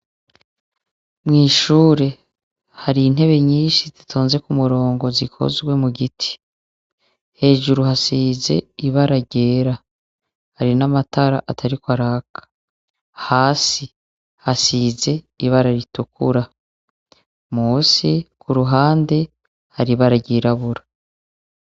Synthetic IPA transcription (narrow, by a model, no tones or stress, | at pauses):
mŋiːʃuːɾe̞ | haɾiːn̥he̞βe̞ɲiːnʃizitʰoːnze̞kumuɾo̞ːŋɡo̞zikʰo̰zɡwe̞muɡitʰi̥ | he̞ːʒuɾuhasize̞̰iβaɾaɟe̞ːɾa | haɾinamataɾa̰ʔatʰaɾikwaɾakḁ | haːsi | hasiːze̞ | iβaɾaɾitukṵɾa | muːsikuɾuɦaːnde̞ | haɾiβaɾaɟiːɾaβuɾḁ